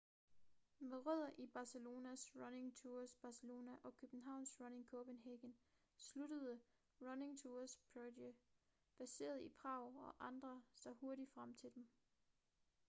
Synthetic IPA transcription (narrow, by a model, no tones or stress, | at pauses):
meðˠʁœð̞̰ˠɐʔib̥ɑ̈səlo̝ːnæsʁɑne̝ŋt͡sʰuːɐsb̥ɑ̈səlo̝ːnæʔɒ̽kʰøb̥n̩ɦɑ̈ʊ̰nsʁɑne̝ŋkʰɔb̥enɦeɡ̥ən | sluɾəð̞ˠə | ʁɑne̝ŋt͡sʰuːɐspʰode | b̥æse̝̰ːɐð̞ˠipʰʁɑ̈ʊ̰ɒ̽ʔɑ̈nd̥ʁɐsd̥ɑho̝ɐɾi̥fʁam̰t͡sʰe̝ld̥em